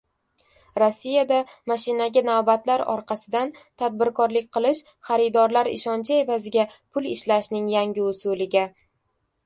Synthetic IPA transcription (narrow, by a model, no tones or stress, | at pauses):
ɾosːijad̪amaʃɪnaɡʲanavbat̪laɾɒ̰ɾqɑsɪd̪ant̪ʰad̪̚bɪɾkʰɒɾlɪk̚ʲqʰɨlˠɪʃ | χɑɾɪd̪ɒɾlaɾɪ̰ʃɒnt͡ʃʰɪe̞vazɪɡʲapʰʊlˠɪʃlaʃnɪŋjaŋʲɪʊsʊlɪɡʲa